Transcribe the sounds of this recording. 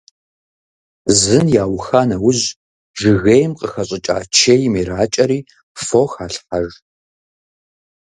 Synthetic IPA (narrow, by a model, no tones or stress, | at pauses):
zɨnjaːwxaːnɐwʊʑ | ʒɨɣejmqʼəxɐɕʼɪt͡ʃʼa̰ːt͡ʃʰejmeɾaːt͡ʃʼɐɾiː | foxaːɬħaʒ